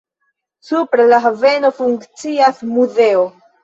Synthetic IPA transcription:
supɾelaɦave̞no̞fuŋkt͡siasmuze̞o

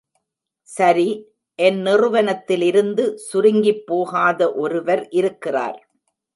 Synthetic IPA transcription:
sɐɾi | ʔɛnnɪrɯʋɐnɐt̪ːɪlɪɾɯnd̪ɯsʊɾɪŋɡɪpːoːɣaːðɐʔɔɾɯʋɐɾʔɪɾɯkːɪra̰ːɾ

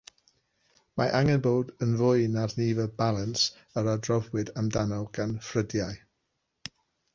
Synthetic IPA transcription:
maʔaŋɛnboːdənvʊɨnarniːvəbalˠəns | əɾadrɔvwɪdamdanɔlˠɡ̥anfrədjaj

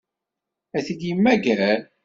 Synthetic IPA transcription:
æθid̪jimːæɡæl

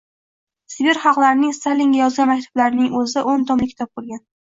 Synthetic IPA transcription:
sɪbɪɾχɑqlˠaɾɪnɪŋst̪alʲːiŋɡʲajɒzɡʲanmakʲt̪ʰḁb̥laɾnɪŋɵzɪʔont̪ʰɒmlɪkʲʰɪ̥t̪ʰɒp̚bolˠɡʲan

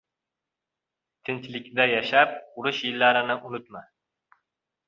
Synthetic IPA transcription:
t̪ʰɪnt̪ʰlɪkʲd̪ajaʃap̚ʊɾʊʃjilːaɾɪnɪʔʊnʊt̪ma

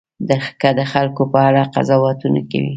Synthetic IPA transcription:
d̪əxkad̪əxalkopəaɽaqa̰zɑwɑt̪una̰ka̰wḭ

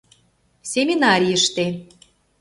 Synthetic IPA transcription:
sʲemʲinɑɾʲijəʃt̪e

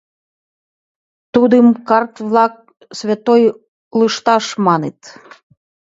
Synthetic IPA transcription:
t̪ud̪ɨmkɑrt̪vlɑk̚ | svʲet̪oj | ləʃt̪ɑʃmɑnet̪

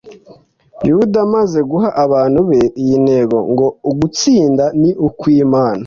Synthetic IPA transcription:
judamaze̞ɡuɦaʔaβaːn̥huβejine̞ɡo̞̰ŋɡo̞uɡut͡siːndaniʔukwiːmaːna

